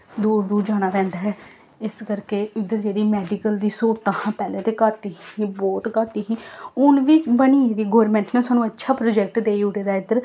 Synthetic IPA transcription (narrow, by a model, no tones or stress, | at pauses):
d̪uːɾd̪uːɾd͡ʒaːɽ̃aːpɛ̃ːnd̪aːɦɛː | ɪskəɾkeːɪd̪əɾd͡ʒeːɽiːmɛːɖikəld̪iːsuːɾt̪aːhãːpɛːleːt̪eːkəɾt̪iːɦĩːbɔːt̪kaːɾt̪iːɦĩːʊnʋit͡ʃbəniːd̪iːɡoːʋəɾmɛ̃ːɳʈnẽːsaːnũːətːʃʰaːpɾoːd͡ʒɛk̚ʈd̪eːiʊʈeːd̪aːɪd̪əɾ